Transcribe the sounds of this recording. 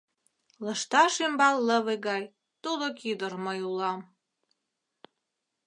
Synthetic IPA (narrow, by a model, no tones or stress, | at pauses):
lə̆ʃt̪ɑʃembɑlˠːə̆βeɣɑlʲ | t̪ulokid̪ərməjulɑm